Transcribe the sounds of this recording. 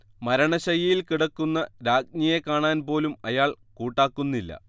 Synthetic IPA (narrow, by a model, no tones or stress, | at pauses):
mɐɾɐɳɐɕɐjɐjilkiɽɐkːunːɐɾaːɡ̚ɲɐjekaːɳaːnpo̞ːlumɐjaːɭ | kuːʈːaːkːunːilːɐ̰